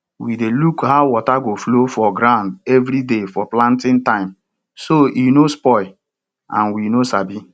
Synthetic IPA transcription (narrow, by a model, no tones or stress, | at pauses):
widelukhaʊwɔtaɡoflofɔɡɾãʊ̃ndɛvɾidefɔplãntɪ̃ntãɪ̃m | soʔinospɔɪ | ã̰nwinosabi